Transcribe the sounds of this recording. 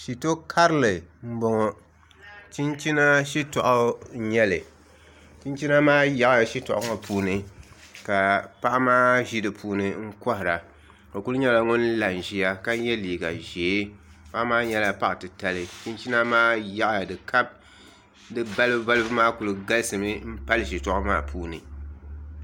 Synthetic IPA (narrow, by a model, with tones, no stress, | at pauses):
ʃi˨to˦kʰa˦ɾlɨ˨m̩˦bɔ˨ŋɔ˨ | t͡ʃi˦nt͡ʃi˦na˦ʃi˦tɔ˨ʔa˦ɲɛ˦lɨ˨ | t͡ʃi˦nt͡ʃi˦na˦maː˦ja˨ʔja˨ʃi˦tɔ̰˨ʔa˦ŋɔ˨pʰuː˦nɨ˨ | ka˨pa˦ʔa˦maː˦ʒi˦dɨ˨pʰuː˨˦nɨ˨ŋ̩˦kɔ˦hɪ˨ɾa˨ | ka˨ku˦lɨ˦ɲɛ˦la˦ŋʊ˦n˦la˨n˨ʒi˨ja˦ka˦ɲɛ˦liː˨ɡa̰˨ʒeː˨˦ | pa˦ʔmaː˦ɲɛ˦la˨pa˦ʔtɨ˨ta˨lɨ˨t͡ʃi˦nt͡ʃi˦na˦maː˦ja˦ʔja˨dɨ˨ka˦b̚ | dɨ˨ba˦lɨ˦bɨ˦ba˦lɨ˦bɨ˦maː˦ku˨lɨ˨ɡa˦lsɨ˨mɨ˦m̩˦pa˦lɨ˦ʃi˨tɔ˨ʔʊ˦ma̰ː˦pʰuː˦nɨ̰˨